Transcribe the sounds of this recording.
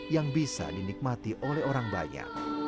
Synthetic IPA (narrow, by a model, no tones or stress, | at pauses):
jaŋbisa̰dinik̚mat̪iʔolɛhoɾaŋba̰ɲa̰k̚